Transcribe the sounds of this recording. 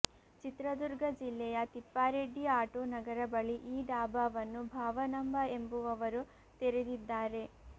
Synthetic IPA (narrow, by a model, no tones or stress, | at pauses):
t͡ʃit̪ɾɐd̪uɾɡʱɐd͡ʒilːɛjɐt̪ipːaːɾeɖːiaːʈoːnɐɡɐɾɐbɐɭiʔiːɖ̪aːbaːʋɐnːubʱaːʋɐnɐmbɐe̞mbuʋɐʋɐɾu | t̪eɾed̪id̪ːaːɾe̞